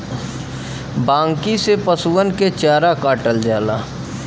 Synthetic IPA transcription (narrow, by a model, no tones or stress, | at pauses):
bãːŋkisepəsuwənket͡ʃaːɾakaːʈəld͡ʒaːlaː